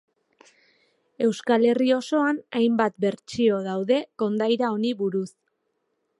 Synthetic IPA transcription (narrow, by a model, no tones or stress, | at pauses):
e̞wskale̞rio̞so̞anajmbat̪̚be̞ɾt͡ʃio̞ðawðe̞ko̞nd̪ajɾao̞niβuɾus